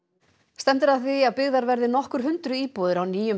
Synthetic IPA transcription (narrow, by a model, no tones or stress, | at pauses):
st̪ɛm̥t̪ɪɾaðθviaðpɪɣðaɾvɛɾðɪnɔhkʏɾ̥ɦʏnt̪ɾʏiːpɔːðɪɾawniːjʏm